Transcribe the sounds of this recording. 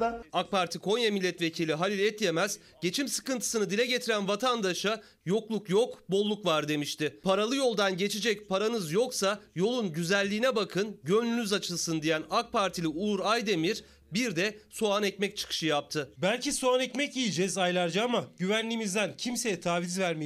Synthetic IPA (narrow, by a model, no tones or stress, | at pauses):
ak̚paɾt̪ʰikʰo̞njamilʲːɛt̪ve̞cʰilʲiɦalʲilʲɛt̪je̞mɛz̥ | ɟ̥e̞t͡ʃʰimsɯ̥kɯnt̪ʰɯ̥sɯnɯd̪ilʲɛɟe̞t̪ʰiɾænvat̪ʰand̪aʃa | jo̞klˠukjo̞kbo̞lˠːukvaɾd̪e̞miʃt̪ʰɪpʰaɾalˠɯjo̞lˠd̪anɟe̞t͡ʃʰed͡ʒɛc̚pʰaɾanɯzjo̞ksajo̞lˠunɟyzælʲːiːnɛbakʰɯnɟø̞nlʲynyzat͡ʃʰɯlˠsɯnd̪ijænak̚pʰaɾt̪ʰilʲiuːɾajd̪e̞miɾ | biɾd̪ɛsuanɛcmɛc̚t͡ʃʰɯ̥kʰɯ̥ʃɯjap̚t̪ʰɯbælʲcisuanɛcmɛcijid͡ʒɛzajlˠaɾd͡ʒaamaɟyvænlʲimizd̪æncʰimse̞jɛt̪ʰaːvizvæɾme